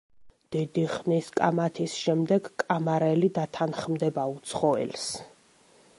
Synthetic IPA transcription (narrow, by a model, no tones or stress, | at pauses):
d̪̥id̪iχniskʼamat̪ʰisʃɛmd̪ɛɡkʼamaɾɛlid̪at̪ʰanχmd̪ɛbaut̪sʰχɔɛ̰ls